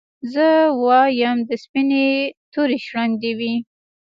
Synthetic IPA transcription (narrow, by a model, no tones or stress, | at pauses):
zəwɑjamd̪əspinet̪oɾeʃɽand̪ewi